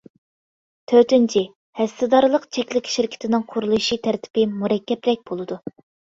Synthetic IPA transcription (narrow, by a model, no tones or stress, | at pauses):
t̪ʰøɾt̪ɪnt͡ʃʰi | hɛst̪ɪd̪ɑɾɨlˠəqt͡ʃʰɛkʲlɪkʲʃɪɾkʲʰɪ̥t̪ʰɪnɪŋqʰoɾulˠuʃit̪ʰæɾt̪ʰɪ̥pɪmuɾɛkʲʰːɛpɾɛk̚ʲb̥olˠɨd̪u